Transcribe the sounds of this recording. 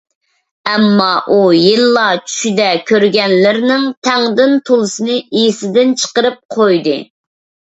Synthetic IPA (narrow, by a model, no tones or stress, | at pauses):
ɛmːɑʔujilˠːɑt͡ʃʰy̥ʃid̪ɛkʲʰøɾɡʲɛnlɪɾnɪŋt̪ʰɛŋd̪ɪnt̪ʰolˠɨsɨnɨijisɪd̪ɪnt͡ʃʰə̥qəɾɨp̚qʰojd̪ɨ